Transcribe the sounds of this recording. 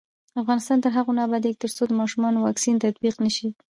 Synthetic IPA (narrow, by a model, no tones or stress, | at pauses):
afɣɑnɪst̪ɑnt̪əɾɦaɣonɑbad̪ek̚t̪əɾt͡sod̪əmɑʃumɑnowɑksint̪ad̪biqnəʃi